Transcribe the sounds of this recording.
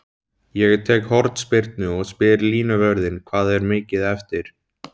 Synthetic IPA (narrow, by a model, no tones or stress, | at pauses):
jɛɣt̪ʰɛːkhɔɾt̪spɪɾt̪nʏɔɣspɪɾliːnavœɾðɪnkʰvaːðɛɾmɪːcɪðɛft̪ɪɾ̥